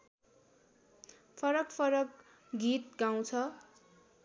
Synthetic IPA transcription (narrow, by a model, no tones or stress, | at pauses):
pʰʌɾʌkpʰʌɾʌk | ɡit̪̚ɡaw̃t͡sʰʌ